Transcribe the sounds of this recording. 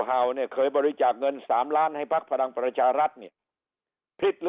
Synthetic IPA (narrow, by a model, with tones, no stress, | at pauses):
ɦa˨˩wni˥˩ɐkʰɤː˧jbɔː˧ɾi˧t͡ɕaː˨˩k̚ŋɤ˧nsaː˩˦mlaː˦˥˩nha˥˩jpʰa˦˥k̚pʰa˧la˧ŋpɾa˧t͡ɕʰaː˧ɾa˦˥t̪̚niː˥˩ɐ | pʰi˧˩t̪̚lː